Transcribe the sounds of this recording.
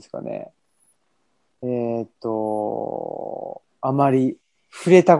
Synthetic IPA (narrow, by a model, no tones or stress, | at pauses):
sɨ̥ka̰nḛ | et̪ːo̞ | amaɾʲi | ɸɯ̟ɾe̞t̪ak